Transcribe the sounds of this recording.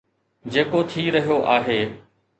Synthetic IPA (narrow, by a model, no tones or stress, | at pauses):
d͡ʑeːkot̪ʰiːɾɐɦijoʔaːɦeː